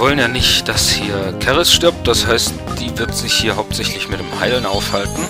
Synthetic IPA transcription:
vɔlənjaːnɪçtd̥ashiːɐkʰɛʁɪsʃtɪɐp̚t̚d̥ashaɪstd̥iːvɪɐtz̥ɪçhiːɐɦaʊp̚tz̥ɛçtlɪçmɪtd̥eːmhaɪlənʔaʊfhaltn̩

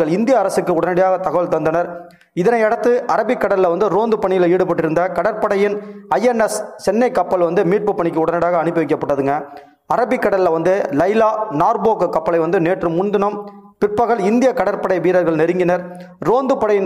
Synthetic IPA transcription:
ɐɭɪnd̪ɪjɐːɾɐsɯkːɯʊɽɐnɐɽɪjaːɣɐt̪ɐɣɐʋɐɭt̪ɐnd̪ɐnɐɾ | ɪðɐnɐɪɛɽɐt̪ːɯʔɐɾɐbɪkːɐɽɐlɪlɐʋɐnd̪ɯɾoːnd̪ɯpɐɳɪjɪliːɽɯp̬ɐʈːɪɾɯnd̪ɐkɐɽɐɾpɐɽɐjɪnɐjɛnɛst͡ʃɛnːɐɪkːɐpːɐlʋɐnd̪ɯmiːʈ̚pɯpːɐɳɪkːɯʊɽɐnɐɽɪjaːɣɐːɳɯpːɯʋɐɪkːɐpːɐʈːɐðɯŋɡɐ | ɐɾɐbɪkːɐɽɐlɪlɐʋɐnd̪ɯlɐɪlaːnaːɾboːkɯkːɐpːɐlɐɪʋɐnd̪ɯneːʈrɯmːʊnd̪ɯnɐmpɪrpːɐɣɐɭɪnd̪ɪjɐkɐɽɐɾpɐɽɐɪʋiːɾɐɾɣɐɭnɛɾɯŋɡɪnɐɾ | ɾoːnd̪ɯpɐɽɐjɪn

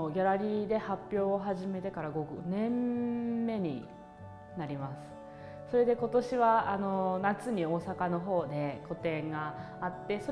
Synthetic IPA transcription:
ɡʲaɾaɾʲiːd̪e̞hapʲːjo̞ːɦaʑime̞t̪e̞kaɾaɡo̞ɡɯ̟̰nẽ̞mː | e̞ɲ̟ḭ | naɾʲimasɨ̥ | so̞ɾe̞d̪e̞ko̞t̪o̞ɕiβaano̞nat͡sɨɲ̟io̞ːsakano̞ɦo̞ːd̪e̞ko̞t̪ẽ̞ŋɡaː | t̪ːe̞so̞

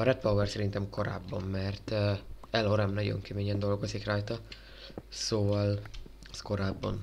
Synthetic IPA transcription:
ɒɾɛt̪pɒwɛrsɛɾint̪ɛmko̞ɾa̰ːbːɒmːɛrt̪ːɛloɾɛmnɒɟo̰ŋkɛmeːɲɛnd̪o̞lɡozikraːjt̪ɒ | soːvɒl | sko̞ɾaːbːɒ̰n

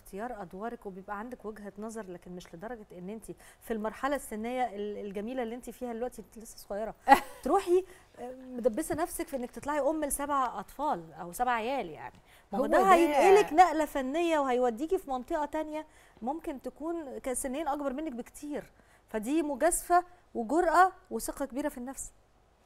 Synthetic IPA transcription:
xt̪ejɑːɾˤʔɑd̪wɑːɾˤɑkwebejebʔæʕand̪ækwæɡɦænɑzˤɑɾˤlæːkenmeʃled̪ɑɾˤɑɡæʔenːʔent̪ifilmɑɾˤħɑlæsːenːejːæʔelelɡæmiːlælːiʔent̪ifiːhæd̪elwæʔt̪ilesːæsˤoɣɑjːɑɾˤɑt̪ɾuːħi | med̪æbːesænæfsækfiʔenːæk̚t̪e̥t̪ˤlɑʕiʔomːelsæbʕʔɑt̪ˤfɑːlʔæwsæbʕaʕejæːlja̰ʕni | mææd̪æhæjeʔeleknæʔlæfænːejːæwehæjwæd̪ːiːkifimɑnt̪ˤeʔɑt̪ænjæ | momkent̪ækuːnkæsenːeːnʔɑɡbɑɾˤmenːæk̚bekt̪ʰiːɾ | fæd̪iːmoɡæsfæweɡoɾˤʔɑweseqɑkebiːɾæfinːæfs

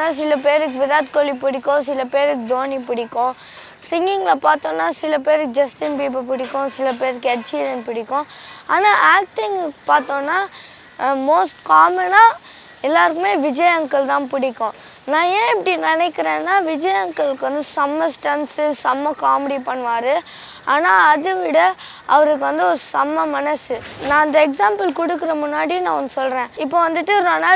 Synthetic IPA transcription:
aːsɪlɐpeːɾɯkːɯʋɪðaːt̪̚kolːipʊɽɪkːõːsɪlɐpeːɾɯkːɯd̪oːnipʊɽɪkːõː | sɪŋɡɪŋɡlɐpaːɾt̪õːnːaːsɪlɐpeːɾɯkːɯd͡ʒɐsʈɪnpiːp̬ɐpʊɽɪkːõsɪlɐpeːɾɯkːɛɽt͡ʃːiːɾɐnpʊɽɪkːõa̰ːnaːʔaːk̚ʈɪŋɡpaːɾt̪õːnːaː | moːsʈkaːmɐnaː | ɛlːaːɾɯkːɯmeːʋɪd͡ʒɐjɐŋkːɐɭt̪ãːpʊɽɪkːõːnãːẽːɛpːɐɽinɪnɛkːɪɾẽːnːaːʋɪd͡ʒɐjɐŋkɐɭɯkːʋɐnd̪ɯsɐmːɐsʈɐnsɯsɐmːɐkaːmɪɽipɐɳːʋaːɾɯ | aːnaːɐðɯʋɪɽɐ | ɐʋɐɾɯk̬ːɯʋɐnd̪ɯɔɾɯsɐmːɐmɐnɐsɯnãːɐnd̪ɐɛksaːmpɐlkɔɽɯkːɪɾɐmʊnːaːɽinãːɔnd̪ɯsɔlɾẽːɪpːoːʋɐnd̪ɯʈːɯɾonaː

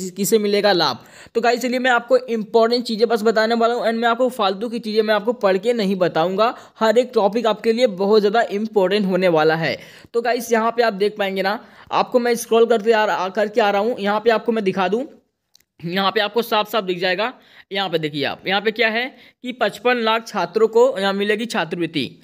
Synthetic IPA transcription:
kɪsemɪleːɡala̰ːb̚ʱ | t̪oɡaːɪs̬eliemɛ̃aːp̚koʔɪ̃mpɔːɾʈə̃ɳʈ̚t͡ʃiːzẽbɐs̬bɐt̪aːneʋaːlaɦũɛ̃ːɳɖmɛ̃aːp̚kofaːld̪ũk̬it͡ʃiːzẽmɛ̃aːp̚kopɐɽ̤kenɐɦĩbɐt̪aːũːŋɡa | hɐɾeːk̚ʈɔːpɪkaːp̚keliebɐɦʊt̪zjaːd̪aʔɪ̃mpɔːɾʈə̃ɳʈɦoːneʋaːlaɦɛ̰ː | t̪oɡaːɪsjɐɦãpeaːp̚d̪eːk̚ʰpaːẽːŋɡenaa̰ːp̚komɛ̃ɪskɾɔːlkɐɾkeaːkɐɾkeaːɾɐɦũjɐɦãpeaːp̚komɛ̃d̪ɪkʰaːd̪ũ | jɐɦãpeaːp̚kosaːfsaːb̚d̪ɪk̚ʰd͡ʒaːeːɡa | jɐɦãped̪eːkʰiea̰ːpjɐɦãpekjaːɦɛ | kipɐ̃t͡ʃpənlaːk̚ʰt͡ʃʰaːt̪ɾõkojɐɦãmɪleːɡit͡ʃʰaːt̪̬ɾʋɪt̪ḭː

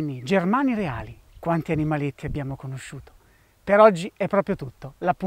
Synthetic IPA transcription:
nːid͡ʒermaːniɾea̰ːli | kwant̪ianimalet̪ːiabːjaːmokonoʃːuːt̪o̥ | peɾɔd͡ʒːiɛpːɾɔːpɾjot̪ut̪ːolapːu

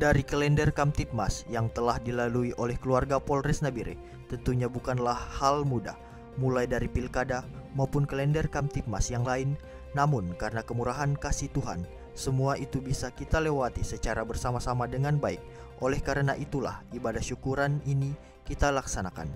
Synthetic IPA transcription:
daɾikəlɛndərkamt̪it̪̚masjaŋt̪əlahdilaluiʔolɛhkəluarɡapɔlrɛsnabiɾɪ̰h | t̪ənt̪uɲabukanlahːalmuda̰ | mulajdaɾipilkadamaupʊnkəlɛndərkamt̪it̪̚masjaŋlaɪnː | amʊnkaɾənakəmuɾaɦankasiht̪uɦa̰n | səmuaʔit̪ubisakit̪alewat̪isət͡ʃaɾabərsamasamadəŋanbaɪk̚ | ʔolɛhkaɾənaʔit̪ula̰hibadahʃukuɾanini | kit̪alaksanaka̰n

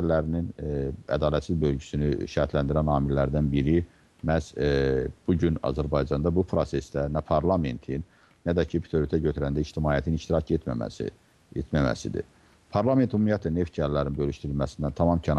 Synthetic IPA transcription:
lːæɾininæ̰d̪ɑːlæt̪sizbø̞lɟysynyʃæɾt̪ʰlænd̪iɾænɑːmilːæɾd̪ænbiɾi | mæs | b̥uɟynɑ̰zæɾbɑjd͡ʒɑnd̪ɑbupʰɾose̞sd̪ænæpʰɑɾlˠɑme̞̰nt̪ʰinː | æd̪æcʰipʰi̥t̪ʰoɾit̪ʰæɟøt̪ʰyɾænd̪æiʃt̪imɑːjæt̪ʰiniʃt̪iɾɑcet̪mæ̰mæ̰ | et̪mæmæ̰sḭd̪ḭ | pʰɑɾlˠɑme̞nt̪humːijɑt̪ʰæne̞ft̪̚cʰæɾlːæɾinbølyʃt̪iɾilmæsind̪ænt̪ʰɑmɑmcʰæn

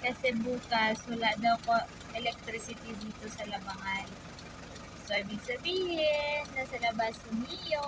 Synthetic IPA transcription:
kɐsɛbuːkashɐlad̪ɐwko | ʔɛlɛk̚t̪ɾɪsɪt̪id̪iːt̪o̞sɐlɐbɐŋan | soʔibɪɡsɐbiːhɪnːɐsɐlɐbasʊnɪjo

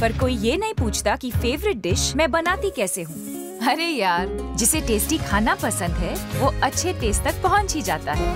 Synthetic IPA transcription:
pɐɾkoːijeːnɐɦĩpuːt͡ʃʰt̪akifeːʋɾɪʈ̚ɖɪʃmɛ̃ːbɐnaːt̪ikɛːseɦũː | ɐɾejaːɾd͡ʒɪseʈeːsʈikʰaːnapɐsə̃nd̪ɦɛːʋoɐtːʃʰeʈeːsʈt̪ɐk̚pɐɦɔ̃nt͡ʃid͡ʒaːt̪aɦɛː

